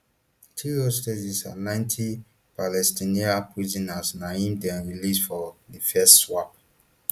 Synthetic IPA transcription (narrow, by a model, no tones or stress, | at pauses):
tʰiɹiostezisa̰nãɪ̃ntʰi | palɛstiniapʰɹizinasnahĩmdɛ̃nɹilisfɔðifɛstswap̚